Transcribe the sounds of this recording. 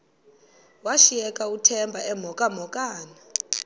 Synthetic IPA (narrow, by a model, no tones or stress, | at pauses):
waʃijɛkʼautʰɛmbʱaʔɛm̤ɔkʼamɔkʼaːna